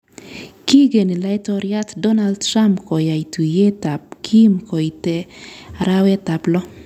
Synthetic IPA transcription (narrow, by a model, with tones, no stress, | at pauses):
ki˦ɡe˨ni˨la˦ɪ˦tɔɾja˦tdɔ˦na˦ldtɾa˦mpkɔ˨ja˨i˨tʰu˨je˦ta˨pkʰi˦mkɔ˨i˨te˨a˨ɾa˦wɛ˦ta˨plɔ˦